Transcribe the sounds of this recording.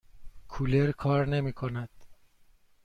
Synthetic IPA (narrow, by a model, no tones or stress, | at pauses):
kʰuleɾkʰɒːɾne̞miːkʰonæd̪̥